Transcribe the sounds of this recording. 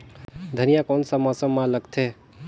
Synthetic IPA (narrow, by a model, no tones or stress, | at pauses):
d̪ʱənijakɔːnsamɔsəmːãləɡt̪ʰeː